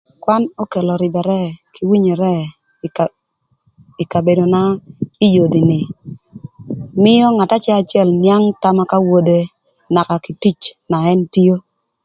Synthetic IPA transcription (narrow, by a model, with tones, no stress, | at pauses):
kwa˦no˦ke˨lɔ˨ɾɪ˨bɛ˨ɾɛ˦ki˨wi˦ɲɛ˨ɾɛ˦ | ɪ˨ka˨be˨do˨na˦i˦jo˨di˨nɪ˨ | mɪ˦jɔ˦ŋa˨ta˦t͡ʃɛ˦a˨t͡ʃjɛ˦˨lmja˦ŋta˦ma˦ka˦wo˦de˦ | na˨ka˨ki˨ti˦t͡ʃna˨ɛ˦nti˦o˦